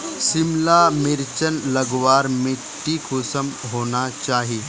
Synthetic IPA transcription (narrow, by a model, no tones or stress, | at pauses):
sɪmlamɪɾt͡ʃənlɐɡʋaːɾmɪʈːikʰʊsəmɦoːnat͡ʃaːɦieː